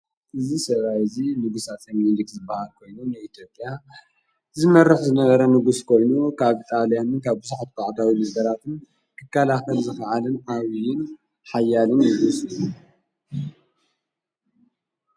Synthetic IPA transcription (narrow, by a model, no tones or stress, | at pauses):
ʔɨzisɐβajɨzinɨɡusat̪ɐmilikzɨbːahalkʰo̞jnunɨit̪ʰjo̞pʼja | zɨmɐrːɨħzɨnɐβɐɾɐnɨɡuskʰo̞jnukʰaβit̪ʼalijanɨnkʰaβbɨzuħat̪̚kʰaʕd̪awinɐɡɐɾat̪ʰɨn | kʰɨkʰːalaxɐlzɨxɐʕalɨnaβijɪn | ħajːalɨnːɨɡusɨju